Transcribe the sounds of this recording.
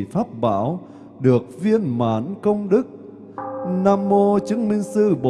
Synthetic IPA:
faː˦˥p̚ɓa̰ː˧˥˦w | ɗɨ˨˩ək̚vi˧ənmaː˨˦nkə˧wŋ͡mɗɨ˦˥k̚ | naː˧mːo˧t͡ɕɨ˨˦əŋmï˧ŋ̟sɨ˧ɓo˨

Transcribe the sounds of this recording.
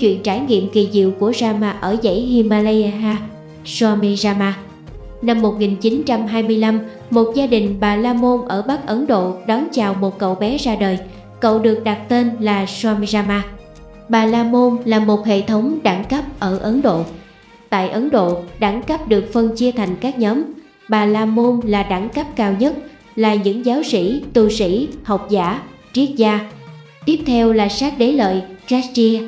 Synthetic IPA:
t͡ɕwḭ˧˨ənt͡ɕaː˧˩jŋḭ˧˨əmki˨˩zḭ˧˨wku˧˩əzaː˧maː˧ʔəː˧˩zə̰˧˥˩jhi˧maː˧lə˧ɦaː˧ | swa˧mi˧zaː˧maː˧ | na˧mːo˨˩t̚ŋi˨˩nt͡ɕi˨˦nt͡ɕa˧mɦaː˧jmɨ˧əjla˧m | mo˨˩t̚zaː˧ɗï˨˩ŋ̟ɓaː˨˩laː˧mo˧nʔəː˧˩ɓa˦˥k̚ʔə˨˦nɗo̰˧˨ɗɔ˨˦nt͡ɕaː˨˩wmo˨˩t̚kə̰˧˨wɓɛ˨˦zaː˧ɗəː˨˩j | kə̰˧˨wɗɨ˨˩ək̚ɗa˨˩t̚t̪e˧nlaː˨˩swaː˧mi˧zaː˧maː˧ | ɓaː˨˩laː˧mo˧nlaː˨˩mo˨˩t̚hḛ˧˨t̪ʰə˨˦wŋ͡mɗa˧˩ŋkə˦˥p̚ʔəː˧˩ʔə˨˦nɗo̰˧˨ | t̪a̰ː˧˨jʔə˨˦nɗo̰˧˨ɗa˧˩ŋkə˦˥p̚ɗɨ˨˩ək̚fə˧nt͡ɕi˧ət̪ʰa˨˩jŋ̟kaː˦˥k̚ɲɔː˨˦m | ɓaː˨˩laː˧mo˧nlaː˨˩ɗa˧˩ŋkə˦˥p̚kaː˧wɲə˦˥t̚ | laː˨˩ɲɨ̰˧˥ŋzaː˨˦wsḭ˧˥t̪u˧˩sḭ˧˥ha˨˩wk͡p̚za̰ː˧˥ | zi˦˥ək̚zaː˧ | t̪i˦˥əp̚t̪ʰɛ˧wlaː˨˩saː˦˥k̚ɗe˨˦lə̰ː˧˨jza˦˥zi˧

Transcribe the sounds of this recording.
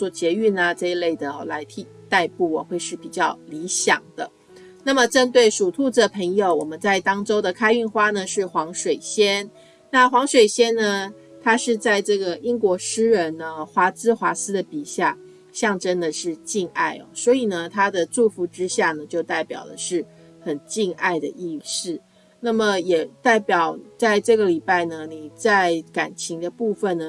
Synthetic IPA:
t͡swɔ˥˩t͡ɕjɛ˧˥y˥˩nə˨ʈ͡ʂɤ˥˧i˧˥le˥˩ɪd̪ə˩la˧˥ɪt̪ʰi˧˩ | t̪a˥˧ɪpu˥˩ɔ˨˩xwe˥˧ɪʂɻ̩˥˩pi˨˩t͡ɕjɑ˥˩ʊli˧˥ɕjɑ̰˨˩ŋd̪̥ə˦ | na˥˩mə˩ʈ͡ʂə˥nt̪we˥˩ɪʂu˨˩t̪ʰu˥˧t͡sə˥˩pʰə˧˥ŋjo˨˩ʊwɔ˨˩mə˦nt͡sa˥˩ɪt̪ɑ˥ŋʈ͡ʂo˥ʊd̪ə˨kʰa˥ɪy˥˩nxwa˥nə˨ʂɻ̩˥˩xwɑ˧˥ŋʂwe˨˩ɪɕjɛ˥n | na˥˩xwɑ˧˥ŋʂwe˨˩ɪɕjɛ˥nnə˨ | t̪ʰa˥ʂɻ̩˥˧t͡sa˥˧ɪʈ͡ʂɤ˥˩ɡə˩ʔi˥ŋkwɔ˧˥ʂɻ̩˥ɻə˧˥nə˧xwa˧˥t͡sɹ̩˥xwa˧˥sɹ̩˥d̪ə˨pi˨˩ɕja˥˩ | ɕjɑ˥˧ŋʈ͡ʂə˥nd̪ə˨ʂɻ̩˥˧t͡ɕi˥˧ŋa̰˥˩ɪɐ̰˩swɔ˧˥i˨˩nə˩t̪ʰa˥d̪ə˨t͡su˥˧fu˧˥ʈ͡ʂɻ̩˥ɕja˥˩nə˩t͡ɕjo˥˧ʊt̪a˥˩ɪpjɑ˨˩ʊlə̰˦ʂɻ̩˥˩ | xə˨˩nt͡ɕi˥˧ŋa˥˩ɪd̪ə̰˩ʔi˥˧sɻ̩˥˩ | na˥˩mə˩jɛ˨˩t̪a˥˩ɪpjɑ˨˩˦ʊt͡sa˥˧ɪʈ͡ʂɤ˥˩ɡə˩li˨˩pa˥˩ɪnə˩ni˨˩t͡sa˥˧ɪka˨˩nt͡ɕʰi˧˥ŋd̪ə˧pu˥˧fə˨nnə˩

